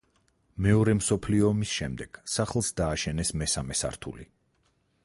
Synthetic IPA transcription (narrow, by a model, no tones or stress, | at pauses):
mɛɔɾɛmsɔpʰliɔːmisʃɛmd̪ɛɡ̥saχlˠsd̪aːʃɛnɛsmɛsamɛsa̰ɾt̪ʰṵli